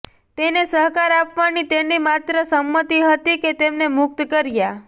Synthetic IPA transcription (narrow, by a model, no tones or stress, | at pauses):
t̪enesəɦkaɾapʋanit̪enimat̪ɾəsəmːət̪iɦət̪iket̪emnemʊk̚t̪kəɾja